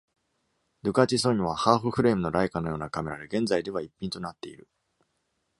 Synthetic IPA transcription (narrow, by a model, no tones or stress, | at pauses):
d̪ɯ̟kat͡ɕiso̞ɲ̟iβ̞ahaːɸɯ̟ɸɯ̟ɾe̞ːmɯ̟no̞ɾaikano̞jo̞ːnakame̞ɾad̪eɡẽ̞nd͡zzaid̪e̞βaipʲːĩnt̪o̞nat̪ːe̞iɾɯ̟